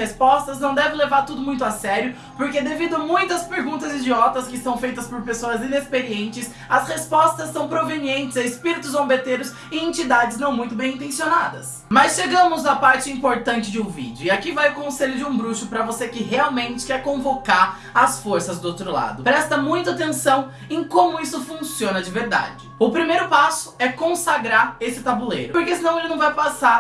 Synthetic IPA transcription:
espɔst̪ɐznɐ̃w̃d̪ɛvɪ̃levaɾt̪ud̪ʊmũj̃t̪ʊasɛɾjʊ | poɾked̪evid̪ʊɐmũj̃t̪ɐspeɾɡũnt̪ɐzid͡ʒiɔt̪ɐskɪsɐ̃w̃fejt̪ɐspoɾpesoɐzĩnespeɾiẽnt͡ʃɪs | ɐshespɔst̪ɐsːɐ̃w̃pɾoveniẽnt͡ʃɪzɐɪspiɾit̪ʊzõbet̪eɾʊs | ɪẽnt͡ʃid̪ad͡ʒɪznɐ̃w̃mũj̃t̪ʊbẽj̃ĩnt̪ẽsionad̪ɐs | mɐsʃeɡɐ̃mʊzapaɾt͡ʃɪĩpoɾt̪ɐ̃nt͡ʃɪd͡ʒɪũvḭd͡ʒʊɪakivajʊkõseʎʊd͡ʒɪũbɾuʃʊpɾɐvosekɪɦeawmẽnt͡ʃɪ̥kɛɾkõvokaɾ | ɐsfoɾsɐzd̪ʊowt̪ɾʊla̰d̪ʊpɾɛst̪ɐmũj̃t̪ʊat̪ẽsɐ̃w̃ | ẽkõmʊisʊfũsiõnɐd͡ʒɪveɾd̪a̰d͡ʒɪʊpɾimejɾʊpasʊ̥ɛkõsaɡɾaɾesɪt̪abulḛjɾʊpoɾkesɪinɐ̃w̃elɪnɐ̃w̃vajpasa

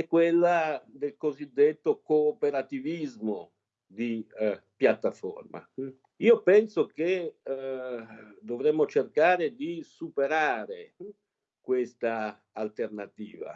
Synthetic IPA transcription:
ɛkːwelːad̪elkozid̪ːet̪ːokoːpeɾat̪ivizmo | d̪ipjat̪ːafo̰rma̰ | iːopɛnsoke | d̪ovɾɛmːot͡ʃerkaːɾed̪isupeɾaːɾe | kwest̪aː | lt̪ernat̪ḭːva̰

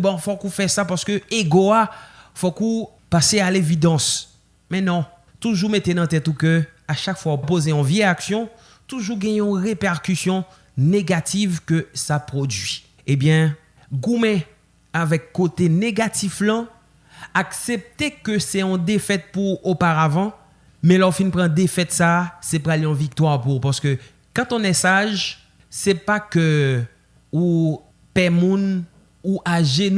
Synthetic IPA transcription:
bɔ̃fokũfɛsapaʁsə̥køeɡoafoku | pasealevid̪ɑ̃s | mɛ̃nɔ̃ | t̪uʒumet̪enɑ̃t̪ɛt̪ukø | aʃakfwaɔpozeɔ̃vjɛaksjɔ̃ | t̪uʒuɡɛ̃jɛ̃ɔ̃ʁepɛʁkysjɔ̃ | neɡat̪ʰivkøsapʁod̪ɥi | ebjɛ̃ | ɡumɛ̃ | avɛkːot̪eneɡat̪iflɑ̃ | aksep̚t̪ekəsɛɔ̃d̪efɛt̪̚puopaʁavɑ̃ | mɛ̃lɔʁfinpʁɑ̃d̪efɛt̪sasɛp̬ʁaleɔ̃vik̚t̪waʁpuʁpaʁsə̥kø | kɑ̃t̪ɔ̃nɛsaʒ | sɛpakø | u | pɛmũn | uʔaʒen

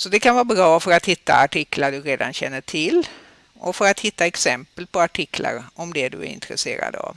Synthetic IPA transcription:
sɔd̪ɛkʰanvɑːɾbɾɑːfœɾat̪hɪt̪ːa̰aʈʰɪklaɖɵɾeːd̪anɕɛnːəʈʰɪlː | ʔɔfœɾat̪hɪt̪ːaɛksɛmpəlpʰɔaʈʰɪkʰla̰ɾɔmd̪ɛd̪ɵ̰æ̰ɾɪ̰nt̪ɾɛseːɾa̰d̪a̰v

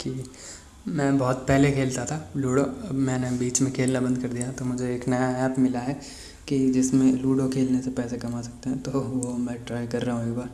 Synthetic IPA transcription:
ki | mɛ̃ːbɔːt̪pɛɦlekʰeːlt̪at̪ʰaːluːɽoɐbmɛ̃ːnebiːt͡ʃmẽkʰeːlnabɐ̃nd̪̚kɐɾd̪ijat̪omʊd͡ʒʱeːknɐjaɛːpmɪlaɦɛː | kid͡ʒɪsmẽluːɽokʰeːlnesepɛːsekɐmaːsɐk̚t̪eɦɛ̃t̪oːʋomɛ̃ːʈɾaːɪkɐɾːaɦũɡaː

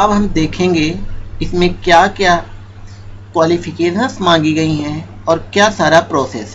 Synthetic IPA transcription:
ɐbɦɐmd̪eːkʰẽːŋɡeɪsmẽkjaːkjaː | kwaːlifʰɪkeːʃə̃nsmãːŋɡiɡɐiɦɛ̃ | ɔːɾkjaːsaːɾapɾɔːseːsɦɛ

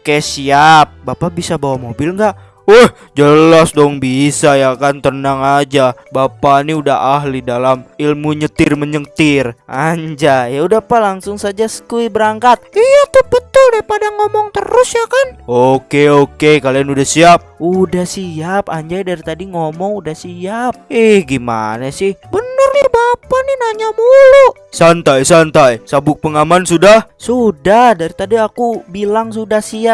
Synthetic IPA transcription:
okɛsiap̚bapabisabawamobɪlŋɡaʔ | woh | d͡ʒəlasdɔŋbisajakant̪ənaŋad͡ʒabapaniudaɦaɦlidalamilmuɲət̪ɪrməɲəkt̪ɪrʔaɲd͡ʒajaudapalaŋsʊŋsad͡ʒasə̥kuibəɾaŋkat̪̚ijat̪ʊhbət̪ʊldapadaŋomɔŋt̪əɾʊsjakanokeokekalianudahsiap̚udahsiapa̰ɲd͡ʒajdaɾit̪adiŋomɔŋudahsiap̚ɛhɡima̰nasɪhbənərnɪbapaninaɲamuluʔ | sant̪ajsant̪ajsabʊk̚pəŋamansudahsudahdaɾit̪adiakubilaŋsudahsia

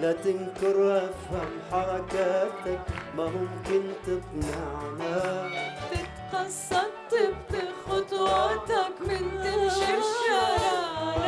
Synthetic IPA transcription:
lat̪ɪnkɪɾʔafhamħɑɾˤɑkat̪akmamʊmkɪnt̪ɪbnaʕna | fɪt̪qɑsˤːɑt̪ˤːbt̪ɪxʊt̪ˤɑt̪ɑkmɪnt̪ɪʃɪʃa

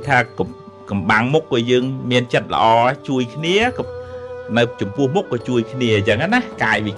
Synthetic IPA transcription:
t̪ʰaː | kɑmɓaŋmukːɑːjəːŋmiənt͡ɕət̪̚lə̰̆ʔɑːt͡ɕuəjkʰniə | nɨwt͡ɕɑmpʊ̆əhmukːɑːt͡ɕuəjkʰniəit͡ɕəŋanakaːjʋi

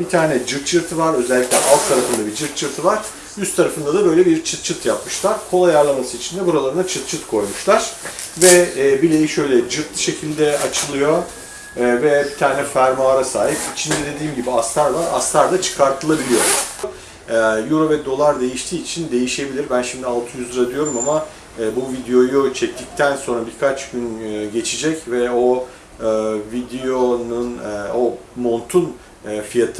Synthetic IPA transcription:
bit̪ʰaːnɛd͡ʒɯɾt̪t͡ʃʰɯɾt̪ʰɯvaɾø̞zɛlʲːiclʲɛ̰ʔalˠk̪̚t̪ʰːaɾafɯnd̪abid͡ʒɯɾt̪̚t͡ʃʰɯɾt̪ʰɯvaɾ̥ | jyst̪ʰːaɾafɯnd̪ad̪abø̞jlʲɛbiɾt͡ʃʰɯt̪̚t͡ʃʰɯt̪ʰjapmɯʃlˠaɾ̥kʰo̞lˠajaɾlˠamasɯit͡ʃʰind̪ɛbuɾalˠaɾɯnat͡ʃʰɯt̪̚t͡ʃʰɯt̪kʰo̞jmuʃlˠaɾ̥vɛːbilʲejiʃø̞jlʲɛd͡ʒɯɾt̪ʃe̞cʰilʲd̪ɛat͡ʃʰɯlˠɯjo̞ | vɛbit̪ʰaːnɛfæɾmaːɾasaːɦipit͡ʃʰind̪ɛd̪e̞d̪iːmɟibiast̪ʰaɾvaɾa̰st̪ʰaɾd̪at͡ʃʰɯ̥kʰaɾt̪ʰɯlˠabilʲijo̞ | juɾovɛd̪o̞lˠaɾd̪e̞jiʃt̪ʰiːt͡ʃʰind̪e̞jiʃe̞bilʲiɾbænʃimd̪ialˠt̪ʰɯjyzd̪ɯɾad̪yjo̞ɾumamaː | buvid̪ejo̞jut͡ʃʰɛc̚t̪ʰic̚t̪ʰænso̞nɾabiɾkʰat͡ʃɟ̥ynːɟe̞t͡ʃʰid͡ʒɛcvɛo̞ | vid̪ejo̞nunːo̞mo̞nt̪ʰunː | fijat̪ʰ

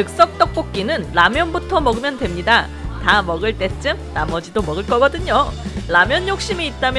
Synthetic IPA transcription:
ɯk̚s͈ʌk̚t͈ʌk̚p͈ok̚k͈inɯnːamjʌnbutʰʌmʌɡɯmjʌndwe̞mɲida | tamʌɡɯɭt͈e̞t͡ɕ͈ɯmnamʌd͡ʑidomʌɡɯɭk͈ʌɡʌdɯɲolamjʌɲːjok̚ɕ͈imiːt̚t͈amj

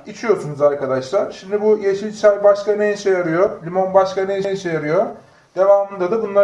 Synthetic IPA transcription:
it͡ʃʰijo̞ɾsunuzaɾkad̪aʃlˠaɾʃimd̪ibujeʃilʲt͡ʃʰæɾbaʃkanejʃɛjaɾɯjo̞lʲimo̞nbaʃkanejjiʃejaɾɯjo̞ | d̪̥e̞vaːmɯnd̪ad̪ɯbunlˠa

